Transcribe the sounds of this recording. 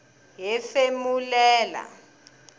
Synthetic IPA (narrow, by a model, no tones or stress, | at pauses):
jɛfemulɛːla̰